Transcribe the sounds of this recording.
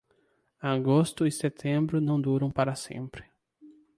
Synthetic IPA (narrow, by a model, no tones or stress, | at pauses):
aɡost̪ʊɪset̪ʰẽmbɾʊnɐ̃w̃d̪uɾɐ̃w̃paɾɐsḛ̃mpɾɪ̥